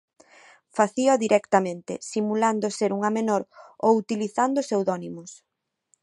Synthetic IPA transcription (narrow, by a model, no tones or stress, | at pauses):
faθioðiɾʔɛkt̪amẽnt̪ɪ̰simuland̪ʊseɾuŋɐmenoɾowut̪iliθand̪ʊsewðɔnimʊs